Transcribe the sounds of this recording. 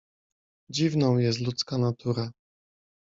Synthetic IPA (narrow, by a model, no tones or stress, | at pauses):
d͡ʑivnɔ̃w̃jɛs̬t̪lut̪skanat̪ʰuɾa